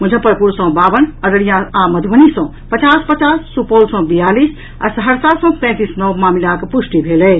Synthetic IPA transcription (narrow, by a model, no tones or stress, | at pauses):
mud͡ʒʱəpəɾpuɾsə̃babənəɾəɽijãaməd̪ʱbənisə̃ | pət͡ʃaspət͡ʃasːupolsə̃bijalis | a̰səɦəɾsasɔ̃pɛ̃t̪isnɔwmamilakepusʈibʱelɛ